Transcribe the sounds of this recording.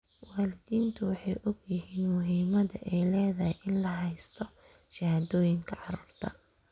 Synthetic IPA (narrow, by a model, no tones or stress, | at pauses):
wɑːlɪðiːnt̪ʰʊwɑħɑjʔɔɡjɪɦiːnmʊɦiːmɐðɐ̰ʔɛjlɛːðɐhɛjʔɪnlɐɦɛjst̪ʰɔ | ʃɐhaːðɔːjɪŋkʰɐʕɑruːrt̪ʰɐ